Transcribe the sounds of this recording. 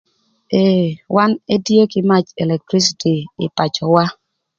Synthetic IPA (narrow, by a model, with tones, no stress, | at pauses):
e˨wa˦ne˦dje˦kɪ˦ma˦t͡ʃɛ˨lɛ˨k̚tɾi˦s̬i˨tiː˨pa˨t͡ʃɔ˨wa˦